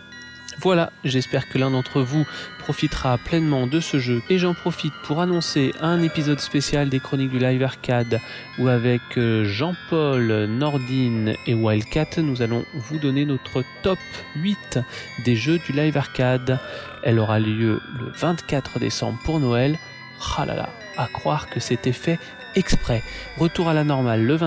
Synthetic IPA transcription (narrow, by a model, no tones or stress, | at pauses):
vwalaʒɛspɛʁkəlɛ̃d̪ɑ̃t̪χəvupχɔfit̪χaplɛnmɑ̃d̪əsəʒøeʒɑ̃pχɔfit̪̚pʰuʁanɔ̃seʔɛ̃nepizɔd̪spesjald̪ekχɔnik̚d̪ylajvaʁkʲad̪ | uavɛkʒɑ̃pɔlnɔʁd̪inewalkʲat̪nuzalɔ̰̃vud̪ɔnenɔt̪χət̪ɔp | ɥit̪d̪eʒød̪ylajvaʁkad̪ | ɛlɔʁaljølə̰vɛ̃t̪kʲat̪χəd̪ḛsɑ̰̃bʁpuʁnɔɛl | χala̰la̰ | akχwaʁkəsɛt̪ɛfɛ | ɛkspχɛʁət̪uʁalanɔʁmalːəvɛ̃